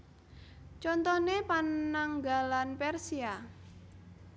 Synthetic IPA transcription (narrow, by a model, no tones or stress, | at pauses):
t͡ʃɔnt̪ɔnepanːaŋɡalanpɛrsia